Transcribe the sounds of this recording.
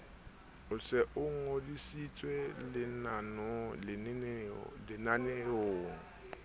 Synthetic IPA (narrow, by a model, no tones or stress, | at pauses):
ʊsɛʔʊŋ̩odisit͡sʼwelɪnanɔ | lɪnaneoːŋ̩